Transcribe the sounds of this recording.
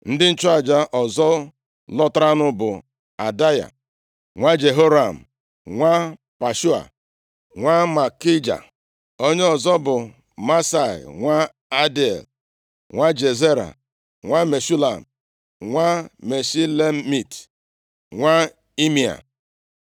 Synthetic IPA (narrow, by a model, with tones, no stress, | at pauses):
n̩˦dɪ˦n̩˦t͡ʃʊ˦a˨d͡ʒa˦ʔɔ˨zɔ˦ | lɔ˦tɾa˦nʊ˦bʊ˨ | a˨da˦ja̰˨ | ŋʷa˦d͡ʒe˨ɦo˦ɾa˨m̩˨ | ŋʷa˦ | pa˨ʃu˦a̰˨ | ŋʷa˦ma˨ki˦d͡ʒa̰˨ | o˦ɲe˦ɔ˨zɔ˦bʊ˨ | ma˦sa̰˨ŋʷa˦ | a˦de˨l | ŋʷa˦d͡ʒe˨ze˦ɾa̰˨ | ŋʷa˦me˨su˦la˨m̩˨ | ŋʷa˦me˨si˦le˦mi˨t | ŋʷa˦ | i˦mi˨a̰˨